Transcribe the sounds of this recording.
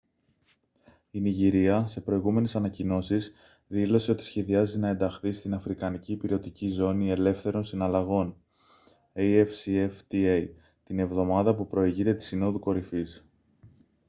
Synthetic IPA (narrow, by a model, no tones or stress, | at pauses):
iniʝiɾiɐse̞pɾo̞iɣume̞ne̞sɐnɐcino̞sis | ðilo̞se̞o̞t̪i̥sçe̞ðiɐzinɐe̞nd̪ɐxθist̪inɐfɾikɐniciːpiɾio̞t̪icizo̞nie̞le̞fθe̞ɾo̞nsinɐlɐɣo̞n | ejefsieft̪iej | t̪ine̞vðo̞mɐðɐpupɾo̞iʝit̪e̞t̪i̥sino̞ðuko̞ɾifis